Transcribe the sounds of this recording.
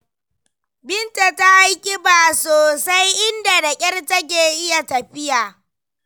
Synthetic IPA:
bɪ˦nta˨ta˦ʔa˦jkʲʼɪ˦baː˨soː˨sa˦jʔɪ˦nda˨da˨kʲʼɐ˦rtɐ˦k̬ʲeː˨ʔɪ˦ja˨tɐ˨ɸɪ˦jaː˨

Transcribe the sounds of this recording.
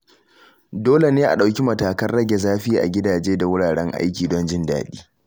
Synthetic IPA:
doː˦le˨neː˦ʔa̰˨ɗa˨wkʲi˦mɐ˨taː˨kɐ˦nɽɐ˦ɡʲe˨zaː˦ɸiː˦ʔa̰˨ɡʲɪ˦daː˨d͡ʒeː˦da˨wʊ˦ɽaː˨ɽɛ˦ŋʔa̰˦jkʲiː˨dɔ˦nd͡ʒɪ˦nda̰ː˨ɗḭː˦

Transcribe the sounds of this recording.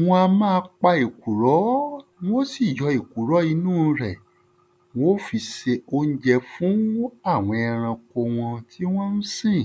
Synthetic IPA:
w̃ɔ̃˧a˧mã˦˧k͡pa˧i˨ku˨ɾɔ˨˦w̃o˦si˦˨jɔ˧i˨ku˨ɾɔ˨˦i˨˧nũː˦˨˧ɾɛ˨ | w̃o˦fi˧se˧o˧n̩˦d͡ʒɛ˧fũ˨˦a˦˨w̃ɔ̃˧ɛ˧ɾ̃ã˧ko˧w̃ɔ̃˧tʰi˦w̃ɔ̃˦n̩˦sĩ˦˨

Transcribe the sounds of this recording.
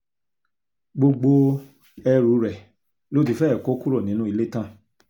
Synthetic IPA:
ɡ͡bo˧ɡ͡bo˧ | ɛ˧ɾu˨˦ɾɛ˨ | lo˦ti˨˧fɛ˦˨ko˦ku˦ɾɔ˦˨nĩ˨˦nũ˦i˧le˦tã˦˨

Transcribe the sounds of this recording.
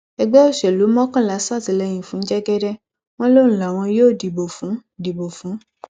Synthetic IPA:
ɛ˧ɡ͡bɛ˦o˦˨ʃɛ˨lu˨˦mɔ̃˦kã˦˨la˨˦sa˦˨ti˧˨lɛ˧j̃ĩ˨fũ˨˦d͡ʒɛ˦ɡɛ˦dɛ˦ | w̃ɔ̃˦lo˦ñ̩˨˦la˨w̃ɔ̃˧joː˦˨di˨bo˨fũ˨˦di˨bo˨fũ˨˦

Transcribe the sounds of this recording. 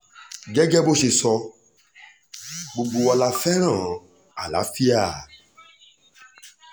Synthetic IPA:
ɡɛ˦ɡɛ˦bo˦ʃe˧sɔ˧ | ɡ͡bo˧ɡ͡bo˧a˧la˧fɛ˦ɾ̃ã˦˨ | a˨la̰˨˦fi˦a˦˨

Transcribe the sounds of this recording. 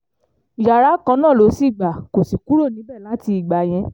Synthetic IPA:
ja˨ɾa˨˦kã˧˦nãː˦˨lo˨˧˦si˦˨ɡ͡ba˨ko˨si˨ku˦ɾo˦˨nĩ˨˦bɛ˦˨lã˨˦ti˧i˨ɡ͡ba˨j̃ɛ̃˧

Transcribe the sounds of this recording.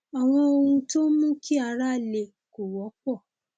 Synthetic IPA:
ɔ˨w̃ɔ̃˧o˧hũ˧to˦mũ˦ki˦a˧˦ɾa˦˨le˧˨ | ko˨wɔ˨˦k͡pɔ˦˨

